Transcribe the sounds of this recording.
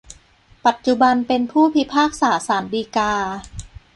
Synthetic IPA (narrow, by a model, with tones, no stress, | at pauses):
pa˨˩t̪̚t͡ɕu˨˩ba˧npe˧npʰuː˥˩pʰi˦˥pʰaː˥˩k̚saː˩˦saː˩˦ndiː˧kaː˧